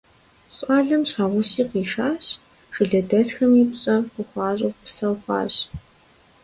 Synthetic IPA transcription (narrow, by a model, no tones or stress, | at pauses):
ɕʼaːɮɐmɕħaːʁʷʊsiːqiːʂaːɕ | ʒɨɮɐdɐɮxɐmiːpɕʼɐʊχʷɑːɕʼʊʁpsɐwχʷɑ̰ːɕ